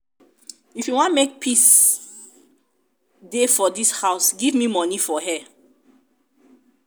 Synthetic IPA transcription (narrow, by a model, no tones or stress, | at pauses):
ifjuwɔ̃nmek̚pʰis | defɔdishaʊsɡivmimɔnifɔhɛ